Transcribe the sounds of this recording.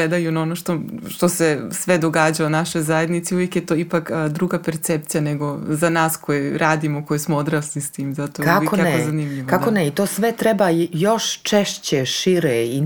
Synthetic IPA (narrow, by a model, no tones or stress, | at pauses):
ɾed̪ajunaonoʃt̪oʃt̪osesʋed̪o̞ɡaːd͡ʑaonaʃojzajed̪nit̪siuʋjekjet̪oipakːd̪ɾuːɡapeɾt̪sep̚t̪sijaneɡo̞zanaːsko̞jeɾaːd̪imoko̞jesmood̪ɾaːslist̪iːmzat̪okaajkokanakozanimʎiʋokakoneit̪oːsʋɛt̪ɾɛbajoʃt͡ʃɛʃt͡ɕeʃiɾei